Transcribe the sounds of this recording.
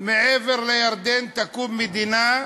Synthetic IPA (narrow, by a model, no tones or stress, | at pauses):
mɪʕeːvɪɾlajɑɾˤd̪eːnt̪akuːmːɪd̪inaː